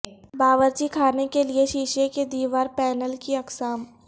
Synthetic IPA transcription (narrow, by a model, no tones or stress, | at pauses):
baːʋəɾd͡ʒikʰaːnekelieʃiːʃeked̪iːʋaːɾpɛːnəlkiɐksaːm